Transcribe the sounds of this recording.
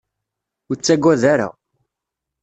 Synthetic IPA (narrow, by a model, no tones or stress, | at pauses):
ʊt͡sːæɡʷːæðaɾa̰